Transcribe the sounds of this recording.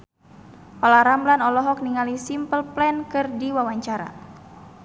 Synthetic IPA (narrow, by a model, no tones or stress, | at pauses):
ʔɔlaɾamblanɔlɔɦɔk̚niŋalisimpəlplɛnkɨrdiwawaɲt͡ʃaɾa̰